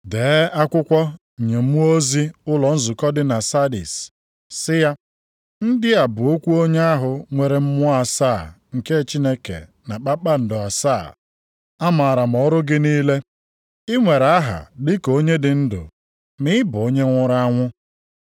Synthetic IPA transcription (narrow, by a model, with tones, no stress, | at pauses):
deː˨˦a˦kʷʊ˦kʷɔ˦˨ | ɲe˨m̩˦u˦o˦zi˦ʊ˦lɔ˨n̩˦zʊ˨kɔ˦dɪ˦na˨sa˦dḭ˨s | sɪ˦ja˦ | n̩˦dɪ˦a˨bʊ˨o˦kʷu˦o˦ɲe˦a˦ɦʊ˨ŋʷe˨ɾe˨m̩˦mʊ˦a˨saː˦˨ | ŋ̩˨ke˦˨t͡ʃi˦ne˦kḛ˨ | na˨k͡pa˦k͡pa˦n̩˨dʊ˨a˨sa˦˨ | a˦ma˨a˨ɾa˨m̩˨ɔ˦ɾʊ˦ɡɪ˦niː˦le˦ | ɪ˦ŋʷe˨ɾa˦ɦa̰˨dɪ˦ko˦ɲe˦dɪ˨n̩˦dʊ̰˨ | mɪ˦bʊ˨o˦ɲe˦ŋʷʊ˦ɾa˦ŋʷʊ˦